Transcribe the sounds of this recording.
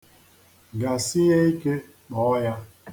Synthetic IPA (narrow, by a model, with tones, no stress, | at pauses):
ɡa˨si˦jɛ˦i˦ke˦ | ɓɔ˨˦ja˦